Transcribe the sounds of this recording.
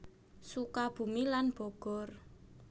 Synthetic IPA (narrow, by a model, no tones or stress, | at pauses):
sukab̥ṳmilanb̥ɔɡ̥ɔ̤r